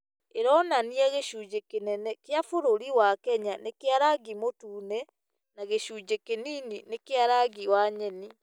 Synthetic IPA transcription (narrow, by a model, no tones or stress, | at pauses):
eɾɔnaniaɣeʃuːd͡ʑekenɛnɛkeafoɾoɾiwakɛɲanekeaɾaɡimotuːnɛ | naɣeɕuːd͡ʑekenininekeaɾaɡiwaɲɛni